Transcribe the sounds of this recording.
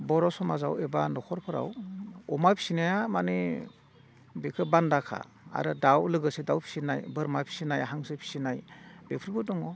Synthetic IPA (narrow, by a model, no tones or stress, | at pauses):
bɔɾɔsɔmazawebanɔkʰɔɾpʰɔɾa̰wɔmapʰi̥sinajamane | bekʰɯbandakʰa̰ | a̰ɾɯdawlɯɡɯsedawpʰi̥sinajbɯɾmapʰi̥sinajaɦaŋsɯpʰi̥sinajbepʰɾbɯdɔŋɔ